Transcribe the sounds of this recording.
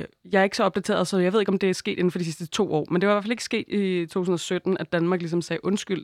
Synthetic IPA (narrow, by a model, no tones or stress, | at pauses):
jɑ̈ɪɐe̝ɡ̥sɒ̽ɒ̽b̚d̥æt͡sʰe̝̰ːɐðˠsɒðjɑe̝ðˠe̝ɡɒmd̥e̝æsɡ̥e̝̰ːd̥e̝n̩fɒ̽d̥isisd̥ət͡sʰo̝̰ːɒ̰ːmend̥e̝ʋɑ̈iʋæɐfæleɡ̥əsɡ̥e̝̰ːd̥it͡sʰo̝̰ːt͡sʰun̩ɒ̽sød̥n̩æd̥ænmɑ̈ːɡ̥lis̬ɒ̽msɛːʔɔ̽nsɡ̥yl̰